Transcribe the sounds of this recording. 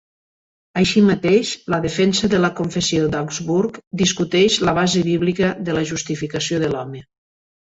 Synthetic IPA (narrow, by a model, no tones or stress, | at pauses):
əʃimət̪eʃləðəfɛnsəðələkoɱfesiod̪akzβuɾkd̪iskut̪ɛʃləβ̞azəβiβlikəðələʒust̪ifikəsioðəlɔmə